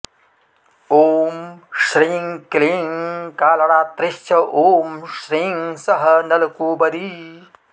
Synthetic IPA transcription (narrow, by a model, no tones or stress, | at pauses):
oːmʃɾiŋkliŋkaːlɐɳaːt̪ɾɪʃt͡ʃʰɐʔoːmʃɾiːŋsɐɦɐnɐlɐkuːbɐd̪i